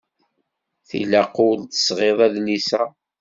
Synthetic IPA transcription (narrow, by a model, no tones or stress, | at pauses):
θḭlæqult̪ə̥sʁeðˤæðnisæ